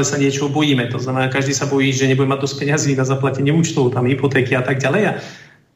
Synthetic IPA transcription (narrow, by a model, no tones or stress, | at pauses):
lɛsaɲɪɛt͡ʃɔɦɔbɔjiːmɛt̪ɔznamɛnaːkaʒd̪iːsabɔjiːʒɛɲɛbuɟɛmaɟ̚d̪ɔsc̚pɛɲaziːnazaplacɛɲɪɛuːt͡ʃt̪ɔʊt̪amɦipɔt̪ɛːkiat̪aɡɟalɛja